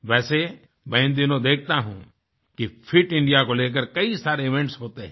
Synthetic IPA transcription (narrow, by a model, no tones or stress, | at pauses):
ʋɛːse | bɐ̃ːɪ̃nd̪ɪnõd̪eːk̚ʰt̪aɦṵ̃ | kipʰɪʈɪ̃ɳɖijakoleːk̬əɾkɐisaːɾeɪʋɛ̃ɳʈsɦoːt̪eɦɛ̃ː